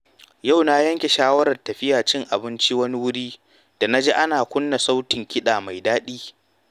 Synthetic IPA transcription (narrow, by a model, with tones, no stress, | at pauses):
ja˦˨wnaː˦jɐ˦ŋkʲe˨ʃaː˦wɐ˦ɾɐ˨rtɐ˨ɸɪ˦jaː˨t͡ʃɪ˦ŋʔa˨bɪ˦nt͡ʃi˦wɐ˦ni˦wʊ˦ɽiː˦ | d̥a˨na˦d͡ʒeː˦ʔa˦naː˨kʷʊ˦nːa˨sa˦wtɪ˨ŋkʲʰɪ˦ɗaː˨ma˨jdaː˦ɗiː˦